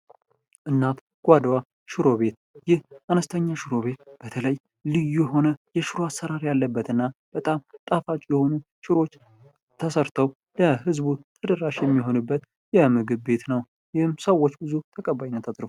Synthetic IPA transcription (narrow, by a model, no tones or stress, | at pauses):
ʔɨnːat̪ | ɡ̥ʷad̪wa | ʃɪɾo̞βe̞t̪̚ | jɪhanəst̪ʰəɲːaʃɪɾo̞βe̞t̪b̥ət̪ʰələj | lɨjːujɦo̞nəjɛʃɪɾoasːəɾaɾjalːəbːət̪ɨnːab̥ət̪ʼamt̪ʼafat͡ʃʼjɛho̞nu | ʃɪɾo̞t͡ʃː | t̪ʰəsəɾt̪ʰəw | ləhɨzbut̪ʰəd̪əɾaʃjɛmːiɦo̞nɨbːət̪ | jɛmɨɡɨβbe̞t̪nəw | jɪhɨmsəwːot͡ʃːbɨzut̪ʰəkʼəbajinːət̪ʰat̪ʼɾɨfu